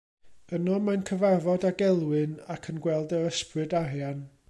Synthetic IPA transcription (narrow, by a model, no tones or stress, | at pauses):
ənɔmankʰəvarvɔdaɡɛlˠwɨnakʰənɡwɛlˠdəɾəsprɨdarjan